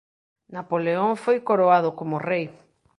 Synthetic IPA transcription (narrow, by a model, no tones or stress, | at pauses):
napoleoŋfojkoɾoaðokomorej